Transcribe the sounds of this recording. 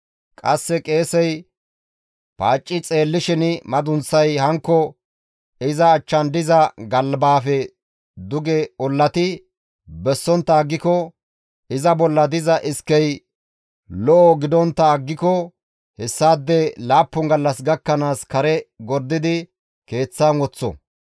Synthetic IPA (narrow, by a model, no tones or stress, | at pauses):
kʼɐsːɛkʼe̞ːsɛj | paːt͡ʃʼːɪt͡sʼe̞ːlːɪʃɪnɪmɐd̪ʊnsɐjhɐŋkːɔ | ɪzɐːt͡ʃːɐnd̪ɪzɐɡɐlbaːfɛ | d̪ʊɡɛɔlːɐt̪ɪ | bɛsːɔnt̪ːɐːɡːɪkɔ | ɪzɐbɔlːɐd̪ɪzɐʔɪskːɛj | lɔʔɔɡɪd̪ɔnt̪ːɐːɡːɪkɔ | hɛsːaːd̪ːɛlaːpːʊŋɡɐlːɐsɡɐkːɐnaːskɐɾɛɡɔɾd̪ɪd̪ɪ | ke̞ːt͡sːaːnwɔt͡sːɔ̰